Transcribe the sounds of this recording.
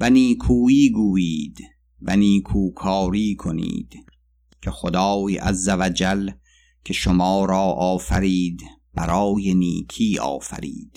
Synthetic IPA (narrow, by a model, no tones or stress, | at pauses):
væniːkʰuːiːɡuːiːd̪ | væniːkʰuːkʰɒːɾiːkʰo̞nḭːd̪̥ | kʲʰexod̪ɒːjæ̰zːævæd͡ʒæl | kʰeʃomɒːɾɒːʔɒːfæɾiːd̪b̥æɾɒːjeniːkʰiːɒ̰ːfæ̰ɾḭːd̪̥